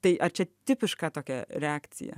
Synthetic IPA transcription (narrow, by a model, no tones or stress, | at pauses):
t̪ɐɪʔɐrt͡ʃʲɛt̪ʲɪpʲɪʃkɑːt̪oːkʲɛɾʲɛaːkt͡ssʲɪ̰jɛ̰